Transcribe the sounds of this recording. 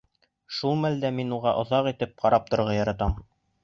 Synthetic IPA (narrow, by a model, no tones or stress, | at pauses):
ʃulˠmæld̪æminuʁɑʔŏðɑqit̪ɘp̚qɑɾɑp̚t̪ŏɾʁɑjɑɾɑt̪ɑm